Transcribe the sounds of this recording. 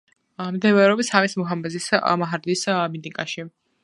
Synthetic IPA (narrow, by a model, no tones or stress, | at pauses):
md̪ɛvɛɾɔbisamismɔɦamɛzismaɦaɾd̪ismid̪ikʼaʃi